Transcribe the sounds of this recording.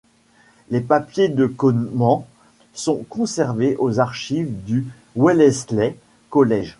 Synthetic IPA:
lepapjed̪əkɔnmɑ̃ | sɔ̃kɔ̃sɛʁveʔozaʁʃivd̪y | wɛlɛslɛ | kɔlɛʒ

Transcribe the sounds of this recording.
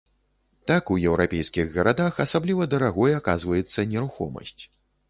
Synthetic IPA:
t̪akujɛwɾʔapʲɛjskʲiɣɣɐɾad̪axasablʲivɐd̪ɐɾaɣɔjɛakazvɐjɛt̪sːɐnʲɛɾuxɔ̰mɐ̰sʲt͡sʲ

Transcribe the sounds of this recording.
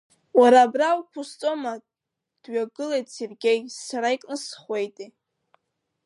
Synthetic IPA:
waɾaːbrawkʷʰʊst͡sʼo̞ma | d̥ɥaɡɨlejtʼse̞rɡʲe̞jsaɾaikʼnɨsχʷe̞jtʼi

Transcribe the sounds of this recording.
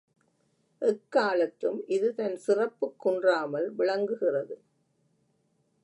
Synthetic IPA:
ʔɛkːaːlɐt̪ːɯmʔɪðɯt̪ɐnsɪrɐpːɯkːʊɳdraːmɐlʋɪɭɐŋɡɯɣɪrɐðɯ

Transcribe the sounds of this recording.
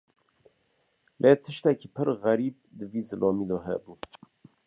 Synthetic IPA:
lʔet̪ʰɨʃt̪ɛkiːpʰɨɾɣæɾiːb̚d̪ɨviːzɨlʔɑːmiːd̪ɔːɦɛ̰buː

